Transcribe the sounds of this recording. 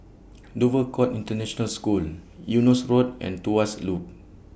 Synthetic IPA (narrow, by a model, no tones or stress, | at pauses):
dovəkʰɔtĩntənɛʃɔnəlskuljunɔsɹodɛ̰̃ntuaslup̚